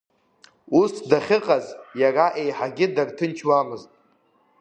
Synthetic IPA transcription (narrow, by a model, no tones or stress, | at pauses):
usdaχʲɪqʼazjaraʔe̞jħaɡʲɪdartʰɨnt͡ʃʰwamɨztʼ